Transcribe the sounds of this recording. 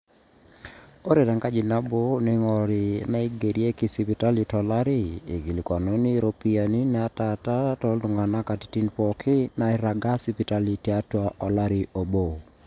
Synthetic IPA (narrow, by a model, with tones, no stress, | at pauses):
o˦ɾe˨ta˨ŋka˦d͡ʒi˨na˦bo˦ne˦ŋɔ˨ɾi˨na˦i˦ɡe˨ɾi˦e˦ki˦si˨pi˨ta˦li˨tɔ˨la˦ɾi˦e˨ɡi˨li˨kwa˨no˦ni˦ɾo˦pi˦a˨ni˦nɛ˨a˦ta˨ta˦tɔ˦ldu˨ŋɡa˨na˦ka˨ti̥˨ti˦npɔ˨kʰi˦na˨i˨ɾa˨ɡa˦si˦pi˦ta˦li˨ti˦a˦twa˦ʔɔ˨la˦ɾi˨ʔo˨bo˨